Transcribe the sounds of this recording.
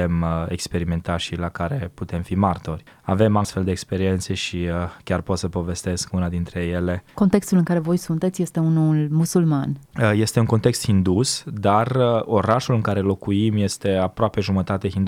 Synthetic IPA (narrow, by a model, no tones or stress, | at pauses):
emḛkspe̞ɾime̞nt̪aʃilakaɾe̞put̪e̞mfimart̪o̞rʲ | ave̞mast̪fe̞ld̪eːkspe̞ɾie̞nt̪se̞ʃikʲjarpo̞t̪səpo̞ve̞st̪e̞skunad̪int̪ɾe̞je̞le̞ko̞nt̪e̞kst̪ulɨŋkaɾe̞vo̞jsunt̪et̪sʲje̞st̪e̞unulmusulmanje̞st̪e̞uŋko̞nt̪e̞kst̪xind̪usd̪arəo̞ɾaʃulɨŋkaɾelo̞kuimje̞st̪e̞apɾoape̞ʒumət̪at̪eɦind̪